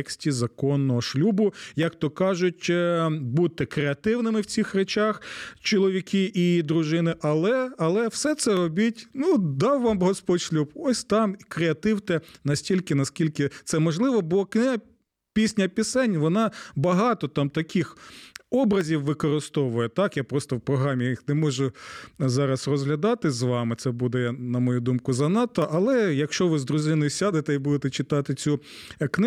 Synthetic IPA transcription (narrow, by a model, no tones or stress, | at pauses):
ksʲtʲizɐkɔnːɔɦɔʃlʲubʊjɐkt̪ɔkɑʒʊtʲbut̪ːɪkɾeɐt̪ɪwnɪmɪwt͡sʲixɾet͡ʃɑxt͡ʃɔlˠɔʋʲikʲɪʔiid̪ɾʊʒɪnɪʔɐlˠɛɐlˠɛwsɛt̪sɛɾɔbʲitʲnud̪ɑwʋːɑmɦɔspɔdʲʃlʲubɔsʲt̪ɑmikɾeɐt̪ɪwt̪ɛnɐsʲtʲilʲkɪnɐsʲkʲilʲkɪt̪sɛmɔʒlˠɪʋɔbʊlˠɔknɪɦɐ | pʲisʲnʲɐpʲisɛnʲʋɔnɑbɐɦɑt̪ɔt̪ɑmt̪ɐkʲɪxɔbɾɐzʲiwʋɪkɔɾɪst̪ɔʋʊjɛt̪ɑkjapɾɔst̪ɔwpɾɔɦɾɑmʲijjixnɛmɔʒʊzɑɾɐsrɔzɦlʲɐd̪ɑt̪ɪzʋɑmɪt̪sɛbud̪ɛjnɐmɔjud̪umkʊzɐnɑt̪ːɔʔɐlˠɛjɐkʃt͡ʃɔʋɪzd̪ɾʊzɪnɔjʊsʲad̪et̪ɛibud̪et̪ɛt͡ʃɪt̪ɑt̪ɪt͡sʲuknɪ